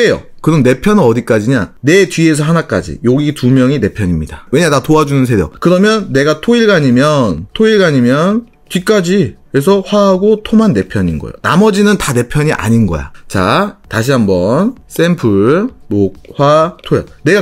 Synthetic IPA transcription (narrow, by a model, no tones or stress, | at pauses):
ejo̰kɯɾʌnne̞pʰjʌnɯnʌdik͈ad͡ʑiɲane̞tɥie̞s̬ʰʌɦanak͈a̰d͡ʑḭjoɡitumjʌŋine̞pʰjʌɲimɲidawe̞ɲatatoad͡ʑunɯns̬ʰe̞djʌ̰kɯɾʌmjʌnːe̞ɡatʰoiɭɡaɲimjʌntʰoiɭɡaɲimjʌn | tɥik͈ad͡ʑi | e̞s̬ʰʌɸwaɦaɡotʰomanːe̞pʰjʌɲinɡʌ̰jo̰na̰mʌd͡ʑinɯntane̞pʰjʌɲiʔa̰ɲinɡʌ̰ja̰t͡ɕa̰taɕ̬ʰiɦambʌns͈e̞mpʰɯɭmok̚hwatʰojʌne̞ɡa